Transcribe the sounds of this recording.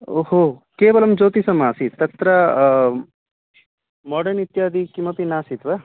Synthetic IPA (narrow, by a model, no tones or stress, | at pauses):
oɦoːkeːbɐlɐmd͡ʒoːt̪isɐmaːsit̪ːɐt̪ɾɐ | mɔːɖɐnit̪jaːd̪ʱikimɐpinaːsit̪ʋɐ